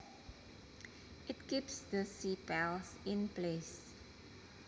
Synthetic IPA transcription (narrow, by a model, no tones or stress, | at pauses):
ʔɪtkipsdəsipɛlsɪ̃nples